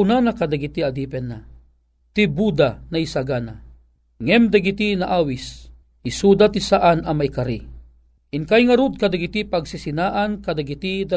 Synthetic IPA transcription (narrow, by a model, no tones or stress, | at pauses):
unanakad̪aɡit̪iad̪ipɛnːa̰ | t̪ibud̪anaisaɡana | ŋɛmd̪aɡit̪inaʔaːwis | isud̪at̪isaʔanamaikaɾi | inkajŋaɾud̪̚kad̪aɡit̪ipaɡsisinaʔankad̪aɡit̪id̪a